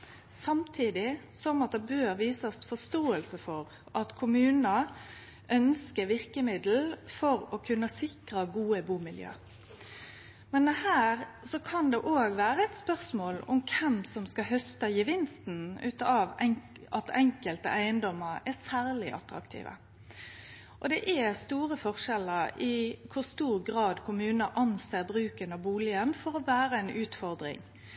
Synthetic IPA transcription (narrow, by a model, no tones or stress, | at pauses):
sɑmt̪ʰiːd̪ɪsɔmɑt̪̚d̪ɛbøːɾʋiːsɑsfɔst̪oːəlsəfɔɾ | ʔɑt̪kʰʊmʉːnə | ʔœnskəʋɪʁkəmɪd̪l̩fɔɾɔkʰʉnːəsɪkʁɑɡuːəbuːmɪljø̰ː | mɛnɛhæːɾsɔkʰɑnd̪ɛʔoːɡʋæːɾəɛɪt̪spœʁsmoːlɔ̰mkʰɛmsɔmskɑɦœst̪əjəʋɪnst̪n̩ʉ̰ːt̪ɑʋɛŋ | ɑt̪ɛŋkəlt̪ə̰ʔæɪənd̪ɔmːəɾɛsæːʁlɪʔɑ̰t̪ɾɑ̰kt̪ʰḭːʋə̰ | ʔɔd̪ɛʔɛst̪uːʁəfɔʁʂɛləɾɪkʰʊʁst̪uːɾɡɾɑːd̪kʰʊmʉːnəʔɑnseːʁbʁʉːkənɑʋbuːlɪənfɔɾɔʋæːɾəænʔʉːt̪fɔʁd̪ɾɪ̰ŋ